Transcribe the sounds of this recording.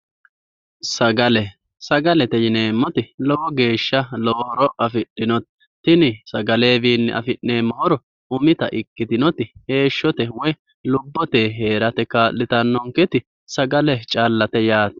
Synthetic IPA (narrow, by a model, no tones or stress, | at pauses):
sɐɡɐlɛ | sɐɡɐlɛt̪ɛjɪneːmːɔt̪ɪlɔwɔɡe̞ːʃːɐlɔwɔhɔɾɔɐfɪɗːɪnɔt̪ɪ̥ | t̪ːɪnɪsɐɡɐle̞ːviːnːɛʔɐ̰fɪʔne̞ːmːɔhɔɾɔ | ʊmɪt̪ɐʔɪkːɪd̪ɪnɔt̪ɪhe̞ːʃːɔt̪ɛwɔj | lʊbːɔt̪eːɦe̞ːɾɐt̪ɛkaːlːɪt̪ɐnːɔŋkɛt̪ɪ | sɐɡɐlɛt͡ʃʼaːlːɐt̪ɛjaːt̪ɐ̥